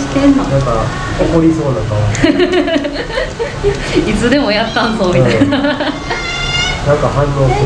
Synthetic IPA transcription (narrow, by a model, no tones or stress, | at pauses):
i̥t̪ẽnːonãŋka | okoɾʲiso̞ːd̪akaa | it͡sɨd̪e̞mo̞jat̪ːãnzoːmʲia | nãŋkahaɾoːk